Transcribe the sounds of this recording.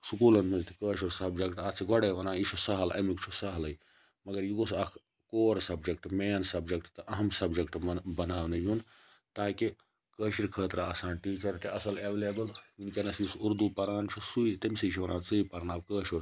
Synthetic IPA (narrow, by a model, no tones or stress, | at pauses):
sukuːlɐnmɐnt̪ikəːʃoɾsɐbd͡ʒɐkʈat͡sʰiɡɐɽeʋɐnãːiʃosɐɦɐlɐ̰mikt͡ʃʰusɐɦɐlɐj | mɐɡɐɾjiɡosɐkʰ | koːɾsɐbd͡ʒɐk̚ʈmeːnsɐbd͡ʒɐk̚ʈt̪ɐʔɐɦɐmsɐbd͡ʒɐkʈbɐnaːʋnɐjun | t̪aːki | kəːʃiɾkʰəːt̪ɾaɐsaːnʈiːt͡ʃɐɾʈiɐsɐleʋelebɐljinkʲenɐsisuɾd̪upɐɾaːnt͡ʃʰusuit̪ɐmsiʃʰiʋɐnʔãːt͡sɨipɐɾnaːbkəːʃoɾ